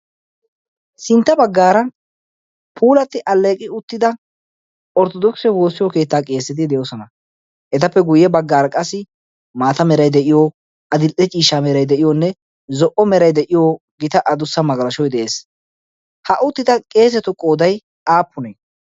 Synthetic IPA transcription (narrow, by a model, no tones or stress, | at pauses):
sɪnt̪ːɐbɐɡːaːɾɐ | pʰuːlɐt̪ːɪʔɐlːe̞ːkʼɪʊt̪ːɪd̪ɐ | ɔɾt̪ɔd̪ɔksɛwo̞ːsːɪjɔke̞ːt̪ːaːkʼe̞ːsːɪd̪ɪd̪ɛjosɔnɐ | ʔɛt̪ɐpːɛɡʊjːɛbɐɡːaːɾɐkʼɐsːɪ | maːt̪ɐmɛɾɐjd̪ɛʔɪjo | ɐd̪ɪlʔɛt͡ʃʼiːʃaːmɛɾɐjd̪ɛʔɪjonːɛ | zɔʔɔmɛɾɐjd̪ɛʔɪjo | ɡɪt̪ɐʔɐd̪ʊsːɐmɐɡɐlɐʃɔjd̪ɛʔeːs | hɐʔʊt̪ːɪd̪ɐkʼe̞ːs̬ɛt̪ʊkʼːoːd̪ɐj | ʔaːpːʊneː